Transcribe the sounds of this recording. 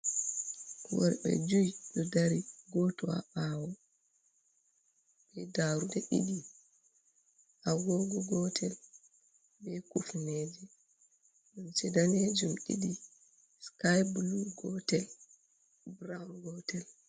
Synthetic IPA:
wɔ̰ɾɓɛ̰d͡ʒujiɗɔdaɾiɡɔtɔa̰ɓawɔ | bɛdaɾudɛʔḭɗi | ʔaɡɔɡɔɡɔtʰɛl | bɛkufneːd͡ʒɛ | ɗamt͡ʃɛdaned͡ʒumɗḭɗi | skajbluɡɔtɛl | bɾamɡɔtɛl

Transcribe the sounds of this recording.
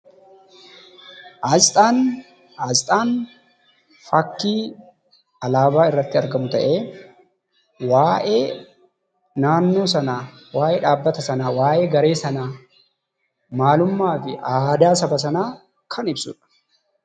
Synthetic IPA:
ʔazt̪ʼaːn | ɐzt̪ʼaːn | fɐkːiː | ɐlaːbaːɪrːɐt̪ːɪɐɾɡɐmʊt̪ɐʔe̞ː | waːʔeː | naːnːo̞ːsɐnaː | waːʔeːᶑaːbːɐt̪ɐsɐnaːwaːʔe̞ːɡɐɾe̞ːsɐnaː | maːlʊmːaːfɪʔaːd̪aːsɐbɐsɐnaː | kʰɐnɪbsʊ̰ᶑɐ̥

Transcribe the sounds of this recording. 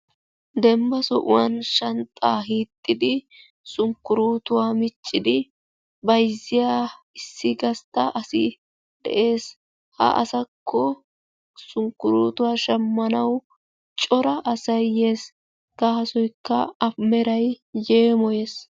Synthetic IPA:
d̪ɛmbɐsɔʔʊ̰wɐnʃɐnt̪ʼːaːɦiːt̪ʼːɪd̪ɪ | sʊŋkːʊɾuːt̪ʊwaːmɪt͡ʃʼːɪd̪ɪ | bɐjzːɪjaː | ɪsːɪɡɐst̪ːɐʔɐsɪ | d̪̥ɛ̰ʔe̞ːs | hɐ̰ʔɐ̰sɐkʰːɔ | sʊŋkːʊɾuːt̪ʊwaːʃɐmːɐnɐw | t͡ʃʼɔɾɐʔɐsɐjeːs | kahɐsɔjkːɐɐmɛɾɐj | je̞ːmɔjeːs

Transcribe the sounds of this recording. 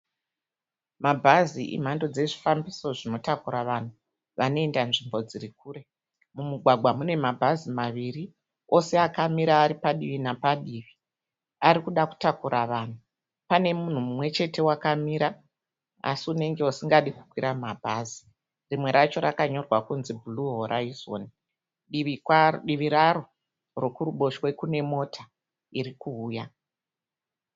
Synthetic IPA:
mabʱaziʔḭm̤ando̞d͡ze̞ʐifambiso̞ʐino̞takuɾaʋan̤u | ʋanoe̞ndanʐimbo̞d͡zirik̚uːre̞ | mumuɡʱwaɡʱwamune̞mabʱazimaʋiri | o̞se̞akamiɾaːɾipaɗiʋinapaɗiːʋi | aɾikuɗaku̥takuɾʔaʋan̤u | pane̞mun̤umumwe̞t͡ʃe̞te̞wakamiɾa | a̰siune̞ŋɡe̞usiŋɡaɗikukwiɾamabʱazi | rimwe̞ɾat͡ʃo̞ɾakaɲo̞rwakunzibʱuluɦoɾʔaizo̰n | ɗiɗiʋiɾaro̞ | rokuruɓo̞ʃwe̞kune̞mo̞tʰa | iɾikuːja

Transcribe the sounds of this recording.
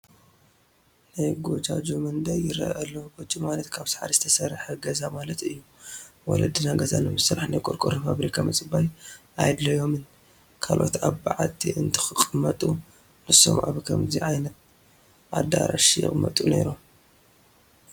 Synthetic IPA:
najɡo̞d͡ʒad͡ʒomɨnd̪ajɪɾɐ̰ʔɐlːoɡot͡ʃʼimalɐt̪kʰaβsḁħa̰ɾizɨ̥t̪ʰɐsɐɾħɐɡɐzamalɐt̪ɨjːu | wɔ̰lɐd̪ɨnaɡɐzanɨmɨsɨɾaħnajkʼuɾkʼɨɾefaβɾikʰamɐt͡sʼɨbajʔajd̪lɐjo̞mɨn | kʰalʔo̞̰t̪aβbaʕat̪ʰiʔɨnt̪ʰɨ̥xɨkʼɨmːɐt̪ʼu | nɨsːo̞̰mʔa̰βkʰɐmziʕajnɐt̪ | ʔa̰d̪a̰ɾa̰ʃjɪ̰χʼmːɐ̰t̪ʼune̞̰ɾum

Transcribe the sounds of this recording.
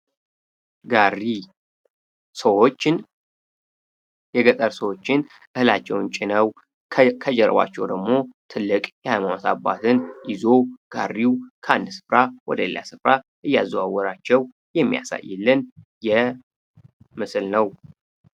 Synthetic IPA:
ɡari | səwo̞t͡ʃːɪn | jɛɡət̪ʼəɾsəwo̞t͡ʃːɪn | ʔɨhɨlat͡ʃːɛwnt͡ʃʼɪnəw | kʰəd͡ʒɛɾə̰ba̰t͡ʃːɛwd̪əɡmo̞t̪ʰɨlːɨkʼjɛhajmanot̪abːa̰t̪ʰɨnjɪzo̞ɡ̥arːiwkʰəand̪sɨ̥fɾawɔ̰d̪əɛlːa̰sɨfɾaʔɨjːazwawɔɾat͡ʃːɛw | jɛmːija̰sa̰jːɛlːɨnjɛ | mɨsɨlnəw

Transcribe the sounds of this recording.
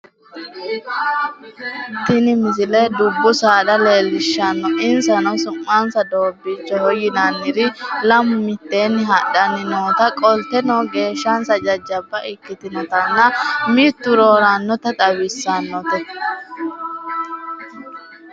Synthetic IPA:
t̪ɪnɪmɪzɪlɛd̪ʊbːʊsaːd̪ɐleːlːɪʃːɐnːɔɪnsɐnɔsʊmːansɐd̪o̞ːbːiːt͡ʃːɔhɔjɪnanːɪɾɪlɐmːɪt̪ːeːnːɪɦɐɗɐnːɪnoːt̪ɐkʼɔlt̪ːɛnɔːɡe̞ːʃːɐnsɐd͡ʒɐd͡ʒːɐbːɐʔɪkːɪt̪ɪnɔt̪ɐnːɐmiːt̪ːʊɾo̞ːɾanːɔt̪ɐt̪ʼɐwɪsːanːɔt̪ɛ

